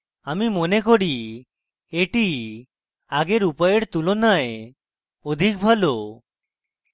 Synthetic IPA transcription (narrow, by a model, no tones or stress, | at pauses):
amimonekoɽi | eʈi | aɡeɾupaeɽt̪ulonae | od̪ʱik̚bʱalo